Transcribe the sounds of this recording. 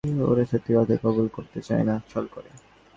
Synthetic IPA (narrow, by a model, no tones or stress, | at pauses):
o̰ɾeʃot̪ːibad̪ʱekɔbulkoɾt̪et͡ɕa̰enat͡ɕʰɔlkoɾe